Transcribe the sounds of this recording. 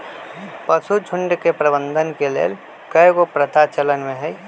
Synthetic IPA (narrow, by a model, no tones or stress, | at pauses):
pəsut͡ʃʰʊɳɖkepɾəbə̃nd̪ʱənkelḛːl | kəekopɾət̪ʰat͡ʃələnmẽɦɛi